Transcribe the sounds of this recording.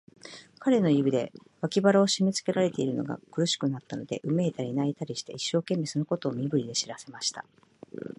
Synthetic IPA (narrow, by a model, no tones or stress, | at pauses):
kaɾe̞no̞jɯbid̪e̞βakʲibaɾaoɕimʲet͡sɨ̥ke̞ɾaɾe̞t̪e̞iɾɯ̟no̞̰ɡa̰kɯ̟ɾɯɕi̥kɯ̟nat̪ːano̞d̪e̞ʔɯ̟me̞ːt̪aɾʲinait̪aɾʲiɕi̥t̪e̞̰iɕːo̞ːkẽ̞mːe̞so̞noko̞t̪o̞ːmʲibɯ̟ɾʲid̪e̞ɕiɾase̞maɕi̥t̪a̰